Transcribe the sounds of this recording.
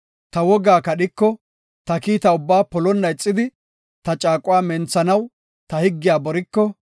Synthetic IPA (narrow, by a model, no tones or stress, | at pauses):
t̪ɐwɔɡaːkɐɗɪkːɔ | t̪ɐkiːt̪ɐʊbːaːpɔlɔnːɐɪt͡sʼːɪd̪ɪ | t̪ɐt͡ʃʼaːkʼʊwaːmɛnt͡sːɐnɐw | t̪ɐhɪɡːɪjaːbɔɾɪkːɔ